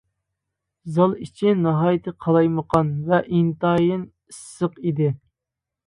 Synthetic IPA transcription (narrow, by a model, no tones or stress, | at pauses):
zɑlˠit͡ʃʰinɑɦɑːjɪt̪ʰɨqʰɑlˠɑjməqʰɑnvɛʔint̪ɑjɪn | isːəqid̪ɪ